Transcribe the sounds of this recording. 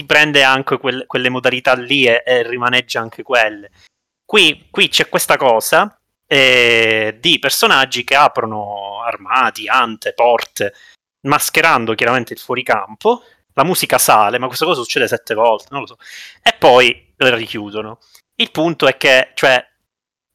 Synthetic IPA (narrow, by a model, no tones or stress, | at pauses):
t̪ipɾɛnd̪eaŋkekwelːkwelːemod̪alit̪alːieʔːrːimanɛd͡ʒːaaŋk̟ekwelːe | kwikwit͡ʃɛkːwest̪akɔːza | ɛ | d̪ipersonad͡ʒːikeaːpɾonoarmaːt̪iant̪epɔrt̪e | maskeɾand̪okjaɾament̪eilfwɔːɾika̰mpo | lamuːzikasaːlemakːwest̪akɔːs̬asu̥t͡ʃːeːd̪esɛt̪ːevɔlt̪enõnlosɔepːɔj | lerikjuːd̪ono | ilpunt̪oɛkːet͡ʃoɛ